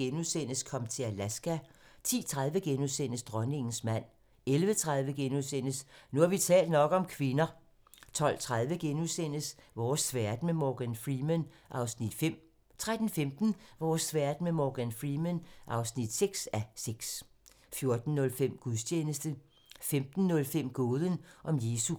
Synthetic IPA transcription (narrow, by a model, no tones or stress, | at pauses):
enuðˠsen̰əskʰɒ̽mt͡sʰe̝ælæsɡ̥æt͡sʰḭːt͡sʰʁað̞ˠʋəɡ̥enusen̰əsd̥ʁɶne̝ŋn̩smæn̰ | elʋət͡sʰʁäð̞ˠʋəɡ̥enuðˠsen̰əsnuhɑ̈ʋit͡sʰɛ̰ːld̥nɒ̽ɡ̥ɒ̽mkʰʋe̝nɐ | t͡sʰɒ̽l̰t͡sʰʁað̞ˠʋəɡ̥enuðˠsen̰əsʋɒːsʋæɐd̥memɒɡ̥ænfʁimenʔɑ̈ʊsnid̥fem̰ | t͡sʰʁad̥n̩femd̥n̩ʋɒːsʋæɐ̰d̥memɒɡ̥ænfʁimenʔɑ̈ʊsnid̥seɡ̥sæseɡ̥s | fjo̝ɐd̥n̩ːɔ̽lfem̰ɡ̥uðˠst͡ɕʰeːnəsd̥ə | femd̥n̩nɔ̽lfem̰ɡ̥oːð̞ˠənʔɒ̽mje̝ːsu